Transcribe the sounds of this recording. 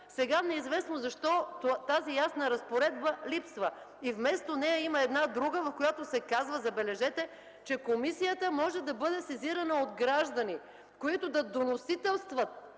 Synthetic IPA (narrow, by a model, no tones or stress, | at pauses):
sɛɡanɛizvɛsnozɐʃt̪ɔt̪azijasnəɾɐspoɾɛd̪bəlipsvə | ivmɛst̪onɛjəiməɛd̪nad̪ɾuɡəvɐfkojat̪osɛkazvəzɐbɛlɛʒɛt̪ɛ | t͡ʃɛkomisijət̪əmɔʒɛd̪ɐbɤd̪ɛsɛziɾɐnəod̪ɡɾaʒd̪ɐni | koit̪ʊd̪ɐd̪onosit̪ɛlˠst̪vɐt̪̚